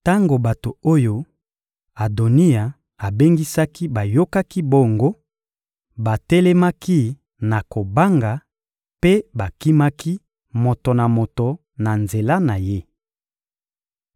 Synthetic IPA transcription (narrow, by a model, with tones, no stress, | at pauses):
ta˦ŋɡo˨ba˨to˨o˦jo˦ | a˨do˨ni˦a˨ | a˨be˦ŋɡi˦sa˦ki˦ba˨jo˦ka˦ki˦bo˦ŋɡo˦ | ba˨tɛ˦lɛ˦ma˦ki˦ | na˨ko˨ba˦ŋɡa˨ | pe˦ba˨ki˦ma˦ki˦ | mo˨to˨na˨mo˨to˨ | na˨nze˨la˦na˨je˦